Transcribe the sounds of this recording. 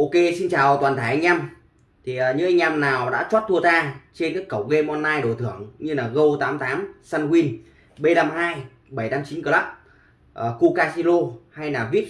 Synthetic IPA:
ʔo˧ke˧si˧nt͡ɕaː˨˩wt̪waː˨˩nt̪ʰaː˧˩jʔa˧ŋ̟ʔa˧m | t̪ʰi˨˩ə˨˩ɲɨ̰˧˥ŋʔa˧jŋ̟ʔa˧mnaː˨˩wɗa̰ː˧˥t͡ɕwaː˦˥t̚t̪ʰu˧ət̪aː˧t͡ɕe˧nkaː˨˦˥kːə˧˩wɣe˧mʔɔ˧nːaː˧jɗo˧˩t̪ʰɨ̰˧˩əŋɲɨ˧laː˨˩ɣə˧wt̪aː˨˦mt̪aː˨˦msa˧nkwi˧n | ɓe˧ɗaː˧mɦaː˧j | ɓə˧˩jtaː˨˧˦mt͡ɕi˨˦nkə˧laː˦˥p̚ | ʔəː˨˩ku˧kaː˧si˧lo˧ha˧jlaː˨˩vi˦˥ət̚

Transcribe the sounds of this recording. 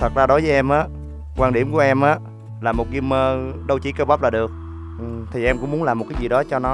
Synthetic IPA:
t̪ʰə˨˩t̚zaː˧ɗo˨˦jvəː˨˦jʔɛ˧mʔaː˨˦ | kwaː˧nɗi˧˩əmku˧˩əʔɛ˧mʔaː˨˦ | laː˨˩mo˨˩t̚ɣi˧mːəː˧ɗə˧wt͡ɕi˧˩kə˧ɓa˦˥p̚laː˨˩ɗɨ˨˩ək̚ | ʔɨ˨˩t̪ʰi˨˩ʔɛ˧mkʊ̰˧˥ŋ͡mu˨˦nlaː˨˩mo˨˩t̚kaː˨˦jzi˨˩ɗɔ˨˦t͡ɕɔ˧nɔ˨˦

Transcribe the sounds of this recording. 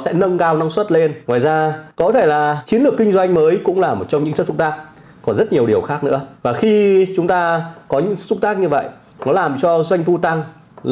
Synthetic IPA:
sɛ̰˧˥nə˧ŋkaː˧wna˧ŋswə˦˥t̚le˧nŋwaː˨˩jzaː˧kɔ˨˦t̪ʰe˧˩laː˨˩t͡ɕi˨˦ənlɨ˨˩əkːï˧ŋ̟zwa˧jŋ̟məː˨˦jkʊ̰˧˥ŋ͡mlaː˨˩mo˨˩t̚t͡ɕɔ˧wŋ͡mɲɨ̰˧˥ŋsɨ˦˧˥sfʊ˦˥t̪aː˦˥k̚ | kɔ˨˩nzə˦˥t̚ɲi˨˩əɗi˨˩əwxaː˦˥k̚nɨ̰˧˥əvaː˨˩xi˧t͡ɕʊ˨˦ŋ͡mt̪aː˧kɔ˨˦ɲɨ̰˧˥ŋsɨ˧˥fʊ˦˥t̪aː˦˥k̚ɲɨ˧və̰˧˨jʔ | nɔ˨˦laː˨˩mt͡ɕɔ˧zwa˧jŋ̟t̪u˧t̪a˧ŋ

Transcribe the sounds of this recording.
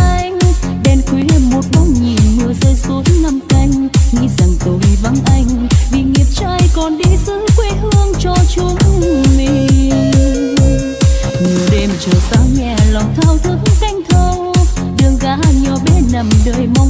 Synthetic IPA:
ʔa˧jŋ̟ | ɗɛ˧nkwi˨˦˧mo˨˩t̚ma˧˦wŋ͡mɲi˨˩nmɨ˨˧˩əzəː˧jsu˨˦ənːa˧mka˧jŋ̟ŋḭ˧˥za˨˩ŋt̪o˧˩jva˧˦nʔa˧jŋ̟vi˨˩ŋi˨˩əp̚t͡ɕaː˧jkɔ˨˩nɗi˧sɨ˧˥kwi˧˦hɨ˧əŋt͡ɕɔ˧t͡ɕʊ˧˦ŋ͡mli˧˩ | ŋɨ˨˩əɗe˧mt͡ɕəː˨˩zaː˧˦wɲɛ˨˩la˨˩wŋ͡mt̪ʰaː˧wt̪ʰɨ˧˦əŋka˧jŋ̟t̪ʰə˧w | ɗɨ˨˩əŋɣaː˨˦ɲɔ˨˩ɓɛ˧˦nə˨˩mɗəː˨˩jma˧wŋ͡m

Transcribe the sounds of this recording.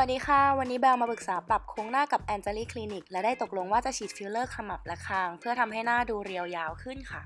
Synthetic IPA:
a˨˩t̚diː˨˦˥xʰa˥˩wa˧nːiː˦˥bɛː˧wmaː˧pɯ˨˩k̚saː˩˦pla˨˩p̚kʰoː˧ŋnaː˥˩ka˨˩p̚ʔɛː˧nt͡ɕa˧liː˥˩kʰliː˧ni˨˩k̚lɛ˦˥daː˥˩jt̪o˨˩k̚lo˧ŋwaː˥˩t͡ɕa˨˩t͡ɕʰiː˨˩t̪̚fiː˦˥wlɤː˥˩kʰsa˧ma˨˩p̚lɛ˦˥kʰaː˧˩ŋpʰɯ˥˩ɐt̪ʰa˧mɦa˥˩jnaː˥˩duː˧ɾi˧əwjaː˧wkʰɯ˥˩nkʰa˥˩

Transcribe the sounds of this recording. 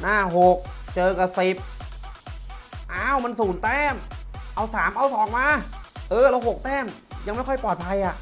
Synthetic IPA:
naː˥˩ɦo˨˩k̚ | t͡ɕɤː˧ka˨˩si˨˩p̚ | ʔaː˧˩˨wma˧nsuː˩˦nt̪ɛː˥˩mʔa˧wsaː˩˦mʔa˧wsɔː˩˦ŋmaː˧ʔɤː˧ɾa˧wɦo˨˩k̚t̪ɛː˥˩mja˧ŋma˥˩jkʰɔ˥˩jpɔː˨˩t̪̚pʰa˧jʔa˨˩ʔ

